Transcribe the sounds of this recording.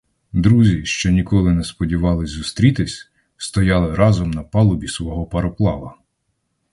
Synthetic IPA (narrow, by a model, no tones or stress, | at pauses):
d̪ɾuzʲiʃt͡ʃɔnʲikɔlˠɪnɛspɔdʲiʋɑlˠɪzʲzʊst̪ɾʲit̪ɪsʲ | st̪ɔjɑlˠɪɾɑzɔmnɐpɑlˠʊbʲisʋɔɦɔpɐɾɔplˠɑʋɐ